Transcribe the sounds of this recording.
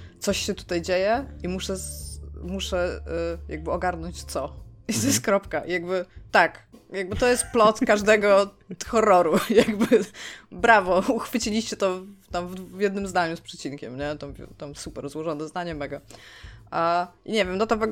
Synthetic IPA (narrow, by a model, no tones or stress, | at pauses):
t̪sɔɕɕɛt̪u̥t̪ajd͡ʑejɛimuʂɛ | muʂɛja̰ɡ̚bɘɔɡaɾnɔɲt͡ɕt̪sɔit̪ɔjɛst̪̚kɾɔpkaʔjaɡbɘt̪akjaɡ̚bɘt̪ɔjɛst̪̚plɔt̪kaʐd̪ɛɡɔ | xɔrːɔɾujaɡbɘbɾavɔuxfɘt͡ɕilʲiɕt͡ɕɛt̪ɔt̪amvd̪vjɛd̪nɘmzd̪aɲuspʂɛt͡ɕinkʲɛ̰mɲɛt̪ɔmt̪ɔmsupɛɾzwɔʐɔnɛzd̪aɲɛmɛɡɔ | aʔiɲɛvʲjɛmd̪ɔt̪ɔvɛɡ